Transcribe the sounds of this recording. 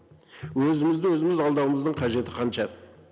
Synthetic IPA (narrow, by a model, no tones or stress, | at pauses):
wɵzɪmɪzd̪ɪwɵzɪmɪzɑlˠd̪ɑwəməzd̪əɴqʰɑʒe̞t̪ɪqʰɑnʃɑ